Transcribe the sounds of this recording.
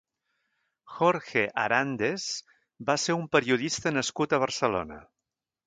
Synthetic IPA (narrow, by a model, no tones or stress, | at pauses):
xoɾxeʔa̰ɾand̪ez | baseɾumpəɾiuðist̪ənəskut̪əβ̞əɾsəlo̰nə̰